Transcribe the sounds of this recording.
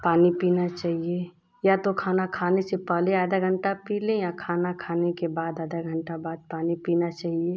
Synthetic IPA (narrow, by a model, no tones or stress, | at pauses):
paːnipiːnat͡ʃaːɦie | jat̪okʰaːnakʰaːnesepɛɦleaːd̪aɡʱə̃ɳʈapiːlẽjakʰaːnakʰaːnekebaːd̪aːd̪aɡʱə̃ɳʈabaːd̪̚paːnipiːnat͡ʃaːɦie